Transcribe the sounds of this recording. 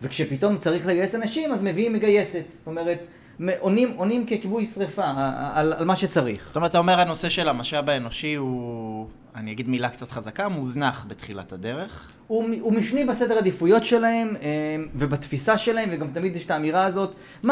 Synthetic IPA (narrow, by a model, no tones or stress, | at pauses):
vekʃepito̞mt͡saʁiχleɡajesanaʃimazme̞viimːeɡaje̞set̪st̪o̞me̞ʁet | meʔonimo̞nimkekibujsʁefaːlalmaʃet͡saʁiχo̥tomʁt̪aomeʁano̞se̞ʃe̞lamaʃabaeno̞ʃiu | aniaɡid̪milakt͡sat̪χazakamuznaχbet̪χila̰tade̞ʁe̞χ | umumifnibase̞dad̪ifujo̞tʃe̞lahe̞mevebat̪fisaʃe̞laemveɡamt̪amid̪jɛʃtaːmiʁaːzo̞t | ma